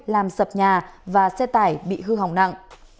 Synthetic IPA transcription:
laː˨˩msə˨˩p̚ɲaː˨˩vaː˨˩sɛ˧˥t̪aː˧˩jɓḭ˧˨ɦɨ˧ɦa˨˩wŋ͡mna̰˧˨ŋʔ

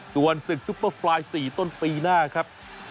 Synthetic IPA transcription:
su˨˩ənsɯ˨˩k̚su˦˥pːəː˥˩fʰlaː˧jsiː˨˩t̪o˥˩npiː˧naː˥˩kʰɾa˦˥p̚

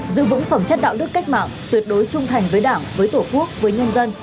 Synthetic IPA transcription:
zɨ̰˧˨vɨ̰˧˥ŋfə˧˩mt͡ɕə˦˥t̚ɗa̰ː˧˨wnɨ˦˥əkːa˦˥jk̚ma̰ː˧˨mt̪wi˨˩ət̚ɗo˨˦jt͡ɕʊ˧ŋ͡mt̪ʰa˨˩jŋ̟vəː˨˦jɗaː˧˩mvəː˨˦jt̪o˧˩ku˦˥ək̚vəː˨˦jɲə˧nzə˧n

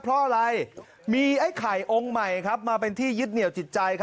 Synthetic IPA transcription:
pʰɾɔ˦˥ʔa˧ɾa˧j | miː˧ʔa˦˥˩jkʰaː˨˩jʔo˧ŋma˨˩jkʰɾa˦˥p̚maː˧pe˧nt̪ʰiː˥˩jɯ˦˥t̪̚ni˨˩əwt͡ɕi˨˩t̪̚t͡ɕa˧jkʰa˦˥

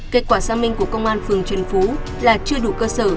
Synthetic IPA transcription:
ke˧˦˥t̚kwaː˧˩zaː˧mï˧ŋ̟ku˧˩əkə˧wŋ͡mʔaː˧nfɨ˨˩əŋt͡ɕwi˨˩nfu˨˦ | laː˨˩t͡ɕɨ˧əɗṵ˧˩˨kəː˧səː˧˩

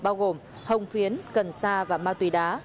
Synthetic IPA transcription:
ɓaː˧wɣo˨˩m | hə˨˩wŋ͡mfi˨˦ənkə˨˩nsaː˧vaː˨˩maː˧t̪wi˨˦ɗaː˨˦

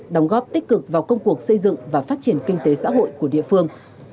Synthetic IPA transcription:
ɗə˨˦wŋ͡mɣɔ˦˥p̚t̪i˦˥k̟̚kɨ˨˩k̚vaː˨˩wkə˧wŋ͡mku˨˩ək̚sə˧jzɨ̰˧˨ŋvaː˨˩faː˦˥t̚t͡ɕi˧˩ənki˧ŋ̟t̪e˨˦sa̰ː˧˥ɦo̰˧˨jku˧˩əɗḭ˧˨əfɨ˧əŋ

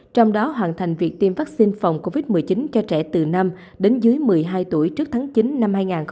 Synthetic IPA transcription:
t͡ɕɔ˧wŋ͡mɗɔ˨˦ɦwa̰ː˧˨nt̪ʰa˨˩jŋ̟vi˨˩ək̚t̪i˧mvaː˦˥k̚si˧nfa˨˩wŋ͡mko˧vi˦˥t̚mɨ˨˩əjt͡ɕi˨˦nt͡ɕɔ˧t͡ɕɛ˧˩t̪ɨ˨˩na˧m | ɗe˨˦nzɨ˨˦əjmɨ˨˩əjɦaː˧jt̪u˧˩əjt͡ɕɨ˦˥ək̚t̪ʰaː˨˦ŋt͡ɕi˨˦nːa˧mhaː˧jŋaː˨˩nx

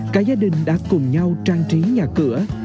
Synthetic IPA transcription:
kaː˨˦˥k̚zaː˧ɗï˨˩ŋ̟ɗa̰ː˧˥kʊ˨˩ŋ͡mɲa˧wt͡ɕaː˧ŋt͡ɕi˨˦ɲaː˨˩kɨ˧˩ə

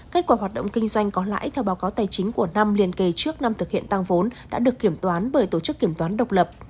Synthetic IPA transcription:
ke˦˥t̚kwaː˧˩ɦwa˨˩t̚ɗə̰˧˨wŋ͡mkï˧ŋ̟zwa˧jŋ̟kɔ˨˦la̰ː˧˥jt̪ʰɛ˧˩wɓaː˨˦wkaː˨˦wt̪aː˨˩jt͡ɕï˨˦ŋ̟ku˧˩əna˧mli˧˩ənke˧˩t͡ɕɨ˦˥ək̚na˧mt̪ʰɨ˨˩k̚hḭ˧˨ənt̪a˧ŋvo˨˦nɗa̰ː˧˥ɗɨ˨˩əkːi˧˩əmt̪waː˨˦nɓəː˧˩jt̪o˧˩t͡ɕɨ˦˥kːi˧˩əmt̪waː˨˦nɗə˨˩wk͡p̚lə˨˩p̚

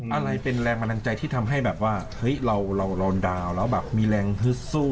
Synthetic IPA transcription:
ʔa˧ɾa˧jpe˧nlɛː˧ŋma˧na˧nt͡ɕa˧jt̪ʰiː˥˩t̪ʰa˧mɦa˥˩jbɛː˨˩p̚waː˥˩hɤ˦˥jɾa˧wɾa˧wɾɔ˧ndaː˧wlɛː˦˥wbɛː˨˩p̚miː˧lɛː˧ŋɦɯ˦˥t̚suː˥˩

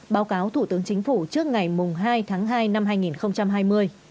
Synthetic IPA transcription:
ɓaː˨˦wkaː˨˦wt̪ʰu˧˩t̪ɨ˨˦əŋt͡ɕï˨˦ŋ̟fu˧˩t͡ɕɨ˦˥ək̚ŋa˨˩jmʊ˨˩ŋ͡mɦaː˧jt̪ʰaː˨˦ŋɦaː˧jna˧mɦaː˧jŋi˨˩nxə˧wŋ͡mt͡ɕa˧mɦaː˧jmɨ˧əj

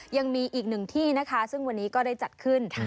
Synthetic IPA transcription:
ja˧ŋmiː˧ʔiː˨˩k̚nɯ˨˩ŋt̪ʰiː˥˩na˦˥kʰa˦˥sɯ˥˩ŋwa˧nːiː˦˥kɔː˥˩da˥˩jt͡ɕa˨˩t̪̚kʰɯ˥˩n˥

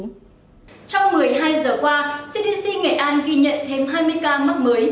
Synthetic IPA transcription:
t͡ɕɔ˧wŋ͡mmɨ˨˩əjɦaː˧jzəː˨˩kwaː˧si˧ɗi˧si˧ŋḛ˧˨˩ʔaː˧nɣi˧ɲə̰˧˨nt̪ʰe˧mɦaː˧jmɨ˧əjkaː˧mə˦˥t̚məː˨˦j

